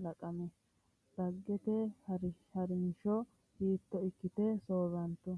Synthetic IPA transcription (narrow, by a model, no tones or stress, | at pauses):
lɐkʼɐmɛ | d̪̥ɐɡːɛt̪ɛhɐɾhɐɾɪnʃɔ | hiːt̪ːɔɪkːɪt̪ɛsoːɾɐnt̪ːʊ